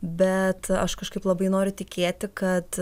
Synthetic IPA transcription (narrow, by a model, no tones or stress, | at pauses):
bʲɛt̪ɐ̰ʃkɐʃkɐɪplˠɐbɐɪnoːɾʲʊt̪ʲɪkʲeːt̪ʲɪkɐt̪